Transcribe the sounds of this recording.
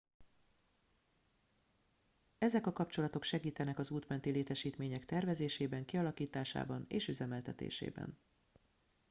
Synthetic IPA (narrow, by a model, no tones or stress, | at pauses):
ɛzɛkɒkɒpt͡ʃo̞lɒt̪o̞kʃɛɡiːt̪ɛnɛkɒzuːt̪mɛnt̪ileːt̪ɛʃiːt̪meːɲɛkt̪ɛrvɛzeːʃeːbɛŋkiɒlɒkiːt̪aːʃa̰ːbɒnḛːʃyzɛmɛlt̪ɛt̪ḛːʃḛːbɛ̰n